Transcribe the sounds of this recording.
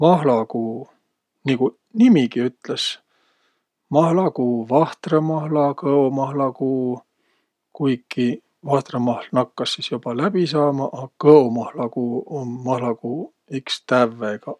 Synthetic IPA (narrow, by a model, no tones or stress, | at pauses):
mɑɦlɑkuː | niku | nimikiyt̪les | mɑhlɑkuːvɑht̪remɑhlɑkɤomɑhlɑkuː | kujkːi | vɑht̪remɑhlnɑkːɑsːisjub̥ɑlæb̥isɑːmɑʔɑkɤomɑhlɑkuːonmɑhlɑkuː | ikst̪ævːeɡ̥ɑ